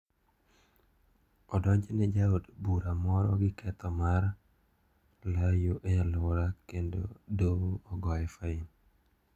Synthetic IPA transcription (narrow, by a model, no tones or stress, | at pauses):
ɔdɔɲd͡ʒenɛd͡ʒaodbuɾamɔɾɔɡɪkʰɛt̪ɔmaɾ | lajoʔealoɾakendo̰doɔɡɔjɛfain